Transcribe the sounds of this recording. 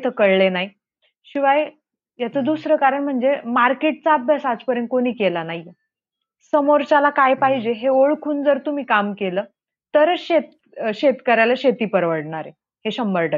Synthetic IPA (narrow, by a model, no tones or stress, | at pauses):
t̪ʰəkəɽɭenaɦi | ɕiʋaj | jat͡səːd̪usɾəkaɾəɳm̤əɳd͡zemaɾkeʈ̚t͡saːbʱjasat͡spəɾjənt̪̚koniːkelanaɦije | səmoɾt͡ɕalakajpaɦid͡ʑeɦeoɭkʰuːnd͡zəɾt̪um̤iːkamkeləː | t̪əɾəɕet̪ | ɕet̪kəɾajlaɕet̪iːpəɾʋəɽɳaɾe | heɕəmbəɾʈə